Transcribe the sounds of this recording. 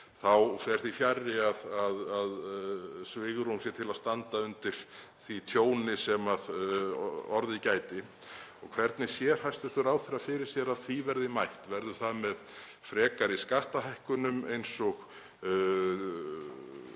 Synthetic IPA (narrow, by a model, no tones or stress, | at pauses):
θawfɛɾ̥θifjarːɪaðaðaðsvɪɣɾumsjɛt̪ʰɪlaðst̪ant̪aʏnt̪ɪɾ̥ | θit̪ʰjoːwnɪsɛmað | ɔɾðɪcaːjt̪ɪ | ɔɣkʰvɛɾt̪nɪsjɛɾ̥hajst̪ʏ̥θʏɾaːwθɛɾafɪɾɪɾ̥sjɛɾaðθivɛɾðɪmajht̪vɛɾðʏ̥θaðmɛð | fɾɛːkaɾiskaht̪aɦajhkʏnʏmejnsɔɣ